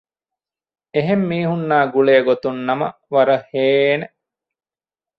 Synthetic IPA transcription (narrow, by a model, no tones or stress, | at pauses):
eɦemːiːɦunːaːɡuɭeːɡot̪unːɐmɐ | ʋɐɾɐheːne